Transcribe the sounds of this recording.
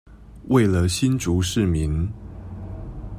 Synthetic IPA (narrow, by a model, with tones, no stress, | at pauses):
wʔe˥˩ɪlə˩ɕi˥nʈ͡ʂu˨˥˦ʂɻ̩˥˩mi˨˦n